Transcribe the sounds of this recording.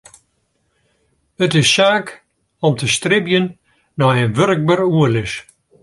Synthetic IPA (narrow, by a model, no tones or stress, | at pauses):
ətɪssaːk | ɔmtʰəstrɪbjənː | ɔənʋørk̚bəruəlɪs